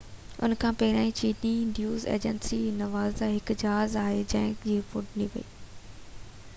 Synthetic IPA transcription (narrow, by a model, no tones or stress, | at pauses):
ʊ̰nkʰãːpɐɦɪɾãːĩt͡ɕiːniɖjuːzḛːd͡ʑənsinɐʋaːzd̪aɦɪkd͡ʑaɦazaːɦed͡ʑɛ̃ːŋkd͡ʑiːfʊʈniːʋɐ̰iː